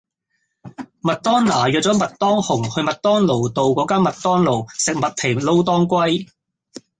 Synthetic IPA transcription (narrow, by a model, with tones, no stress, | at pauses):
mɐ˨t̚t̪ɔː˥nnaː˨˩ɥœː˨t̚t͡sɔ˨˥mɐ˨t̚t̪ɔː˥ŋhʊ˨˩ŋhɵ˧ɥmɐ˨t̚t̪ɔː˥ŋlo˨˩wt̪o˨˧wkɔː˨˥kaː˥nmɐ˨t̚t̪ɔː˥ŋlo˨˩wsɪ˨k̚mɐ˨t̚t̪ʰe˨˩lo˥wt̪ɔː˥ŋkʷɐ˥j